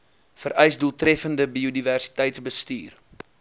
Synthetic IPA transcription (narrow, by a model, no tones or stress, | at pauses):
fəɾʔœjsduːlˠtrɛfəndəbiodiværsi̥təjtsbəstyːr